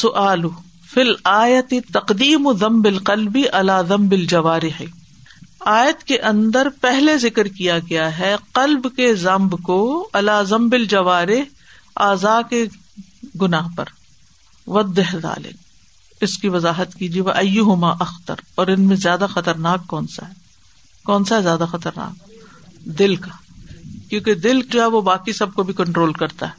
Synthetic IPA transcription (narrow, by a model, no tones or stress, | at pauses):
sʊʔaːlʊ | filaːjɐt̪ɪt̪ɐqd̪iːmðɐ̃mbɪlqɐlbiʔɐlaːðɐ̃mbɪld͡ʒɐʋaːɾɪħ | aːjət̪keʔɐ̃nd̪əɾpɛɦlezɪkɾkijaɡɐjaɦɛqɐlbkezɐ̃mbkoɐlaːzɐ̃mbɪld͡ʒɐʋaːɾɪɦ | a̰ːzaːke | ɡʊnaːɦpɐ̰ɾ | ʋɐd̪ɪɦða̰ːlɪ̰k̚ | ɪskiʋɐzaːɦət̪kiːd͡ʒieʋɐʔɐjːʊɦʊmaːʔɐxt̪ɐ̰ɾɔːɾɪnmẽzjaːd̪axɐt̪əɾnaːkːɔːnsa̰ɦɛ | kɔːnsaɦɛzjaːd̪axɐt̪əɾna̰ːk̚ | d̪ɪlkakjõːked̪ɪlkd͡ʒoɦɛʋobaːkisɐb̚kobʱikɐ̃ɳʈɾoːlkɐɾt̪a̰ɦɛː